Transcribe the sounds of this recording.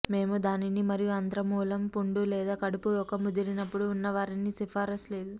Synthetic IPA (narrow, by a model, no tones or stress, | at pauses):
me̞ːmud̪aːninimɐɾijuɐnd̪ɾɐmuːlɐmpuɳɖulɛːd̪aːkɐɽupujɔkɐmud̪iɾinɐpːuɽuːnːɐʋaːɾinisifaːɾɐsle̞ːd̪u